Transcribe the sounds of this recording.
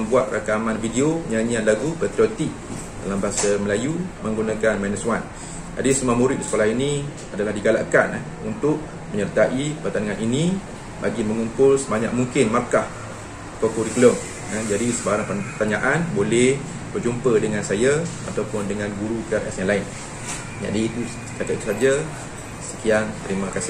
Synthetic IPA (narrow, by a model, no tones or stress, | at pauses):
buat̪̚rʔa̰kamanfideopəɲaɲianlaɡubət̪ɾiot̪iʔ̚ | da̰lambaaŋsaməlajuməŋɡunakanmaniswan | d͡ʒadisəmamuɾɪt̪̚disə̥kolaɦinĩ | adalaɦdiɡala̰ʔkana | unt̪ʊʔ̚ | məɲərt̪aʔipərt̪aniŋanini | ba̰ɡiməŋumpʊlsəbaɲa̰ʔ̚muŋkɪnmarkah | kəkuɾikləm | ad͡ʒadisəbaɾaŋpəpərt̪aɲaʔanbolɛh | bərd͡ʒumpədəŋansajaa̰t̪awpʊndəŋanɡuɾukaɾɛsaŋlaɪn | ɲa̰ʔdiait̪u | sə̥kakat̪̚it̪usad͡ʒa | sə̥kiant̪əɾimakasi